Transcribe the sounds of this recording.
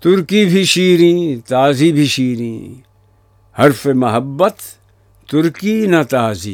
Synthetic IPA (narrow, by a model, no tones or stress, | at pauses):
t̪ʊɾkibʱiʃiːɾĩːt̪aːzibʱiʃiːɾĩː | hɐɾfemɐɦəbːət̪ | t̪ʊɾkinɐt̪aːzḭː